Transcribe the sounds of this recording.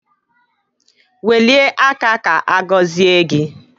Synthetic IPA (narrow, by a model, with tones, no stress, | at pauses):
we˨li˦e˦ʔa˦ka˦ka˨ʔa˦ɡɔ˦zi˦e˦ɡɪ˦